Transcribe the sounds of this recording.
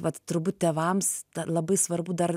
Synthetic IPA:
ʋɐt̪t̪ʊɾbut̪̚ʲtʲeːʋɐmstɐlˠɐbɐɪsʋɐrbʊd̪ɐr

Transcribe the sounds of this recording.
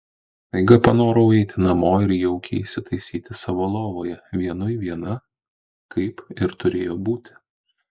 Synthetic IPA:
ɐɪɡɐpɐnoːɾoɛɪt̪ʲɪnɐmoːɪɾjɛʊkʲɛ̰ɪsʲɪt̪ɐɪsʲiːt̪ʲɪsɐʋoːlˠoːʋoːjɛʋʲiɛnʊɪʋʲiɛnɐ | kɐɪpɪɾt̪ʊɾʲeːjoːbuːt̪ʲɪ

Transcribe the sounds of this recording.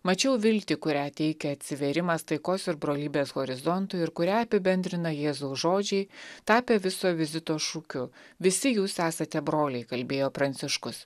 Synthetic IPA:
mɐt͡ʃʲɛʊʋʲɪlʲt̪ʲɪkʊɾʲæːt̪ʲɛɪkʲɛɐt̪ʲsʲɪʋʲeɾʲɪmɐst̪ɐɪkoːsɪɾbɾoːlʲiːbʲeːsɣɔɾʲɪzɔnt̪ʊɪɪɾkʊɾʲæːɐpʲɪbʲɛnʲd̪ʲɾʲɪnɐjeːzʊːʒoːd͡ʒʲɛɪt̪ɑːpʲeːʋʲɪsoːʋʲɪzʲɪt̪oːʃuːkʲʊʋʲɪsʲɪjuːsæːsɐt̪ʲɛbɾoːlʲɛɪkɐlʲbʲeːjoːpɾɐnʲt̪sʲɪʃkʊs

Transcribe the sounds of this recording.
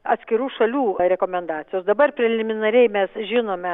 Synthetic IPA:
ɐt̪sʲkʲɪɾuːʃɐlʲuːɾʲɛkoːmʲɛnd̪ɑːt̪t͡s̪ʲɪjoːsd̪ɐbɐrpʲɾʲɛlʲɪmʲɪnɐɾʲɛɪmʲɛsʒʲɪnoːmʲɛ

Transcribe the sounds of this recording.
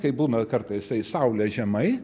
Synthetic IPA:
kɐɪbuːnɐkɐɾt̪ɐɪssɐɪsɐʊlʲɛʒʲɛmɐɪ

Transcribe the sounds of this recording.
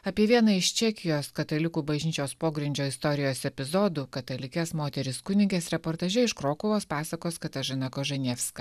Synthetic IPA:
ɐpʲiɛʋʲiɛnɐɪʃt͡ʃʲɛːkʲɪjoːskɐt̪ɐlʲɪkuːbɐʒʲnʲiːt͡ʃʲoːspoːɡɾʲɪnʲd͡ʒʲoːɪst̪ɔɾʲɪjoːsɛpʲɪzɔd̪uːkɐt̪ɐlʲɪkʲɛsmoːt̪ʲɛɾʲɪskʊnʲɪŋʲkʲɛsɾʲɛpoːɾt̪ɐːʒʲɛɪʃkɾoːkʊʋoːspɑːsɐkoːskɐt̪ɐʒɐnɑkoːʒɐnʲɛːfskɐ

